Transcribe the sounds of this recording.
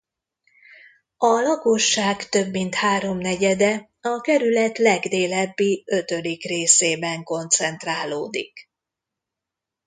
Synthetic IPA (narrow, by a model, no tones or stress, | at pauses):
ɒlɒkoʃːaːkt̪ø̞bːint̪haːɾo̞mnɛɟɛd̪ɛ | ɒkɛɾylɛt̪lɛɡd̪eːlɛbːiø̞t̪ø̞d̪ikreːseːbɛŋko̞nt̪sɛnt̪raːloːd̪ḭk